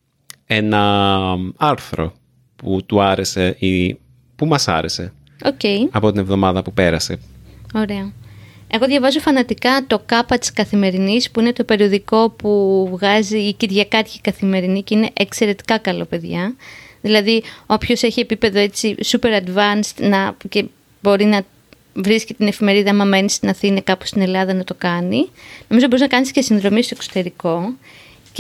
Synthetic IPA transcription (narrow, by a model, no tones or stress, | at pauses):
enɐ | ɐɾθɾo̞̰ | put̪uɐɾeseʔi | pumɐsɐ̰ɾe̞se̞ | o̞ce̞jɐpo̞t̪inevðo̞mɐðɐpupe̞ɾɐseo̞ɾe̞oe̞ɣo̞ðʝɐvɐzofɐnɐt̪ikɐt̪o̞kɐpɐt̪i̥skɐθime̞ɾinispuine̞t̪o̞pe̞ɾio̞ðiko̞puvɣɐziːciɾʝɐkɐɾçikɐθime̞ɾinicine̞ʔekse̞ɾe̞t̪i̥kɐkɐlo̞̰pe̞ðʝɐðilɐðio̞pço̞se̞çie̞pipe̞ðo̞e̞t͡sisupe̞ɾɐd̪vɐnst̪nɐce̞ | bo̞ɾinɐ | vɾiscit̪ine̞fime̞ɾiðɐmɐme̞nist̪inɐθinɐkɐpo̥st̪ine̞lɐðɐnɐt̪o̞kɐnino̞mizo̞biznɐkɐnisce̞sinðɾo̞mist̪oe̞kso̥t̪e̞ɾiko̞ | c